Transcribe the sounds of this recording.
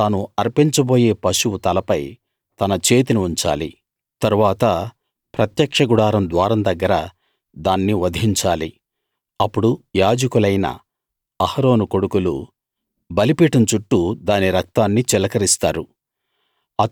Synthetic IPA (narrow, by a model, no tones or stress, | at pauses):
aːnuɐɾpiɲt͡ʃɐbo̞ːje̞ːpɐʂuwut̪ɐlɐpɐj | t̪ɐnɐt͡ʃe̞ːt̪inuuɲt͡ʃa̰ːlḭ | t̪ɐɾuʋaːt̪ɐ | pɾɐt̪jɐkʂɐɡuɽaːɾɐmd̪ʋaːɾɐmd̪ɐɡːɐɾɐ | d̪aːnːiʋɐd̪ʱiɲt͡ʃaːlḭ | ɐpːuɽujaːd͡ʒɐkulɐjnɐ̰ | ɐhɐɾo̞ːnuko̞ɽukulṵ | bɐlipiːʈɐmt͡ʃuʈːud̪aːniɾɐk̚t̪aːnːit͡ʃɛlɐkɐɾist̪aːɾu | ɐ